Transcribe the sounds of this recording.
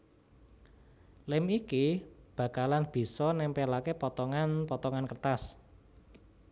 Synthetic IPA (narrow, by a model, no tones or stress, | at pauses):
lɪmikib̥ä̤kalanb̥i̤sɔnɛmpɛlakepɔt̪ɔŋanpɔt̪ɔŋankərt̪as